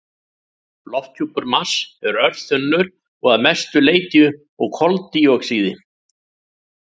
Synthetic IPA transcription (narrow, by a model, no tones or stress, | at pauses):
lɔft̪cʰuːpʏɾmasɛɾœɾðθʏnːʏɾ | ɔɣaðmɛst̪ʏleːjt̪jʏ | ɔɣkʰɔlt̪ːiɔksiːðɪ